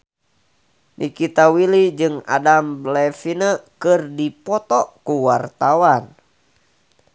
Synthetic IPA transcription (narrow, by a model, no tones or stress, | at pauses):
nʔikit̪awilid͡ʒɨŋa̰damblɛfinəkɨrdipɔt̪ɔkuwart̪awan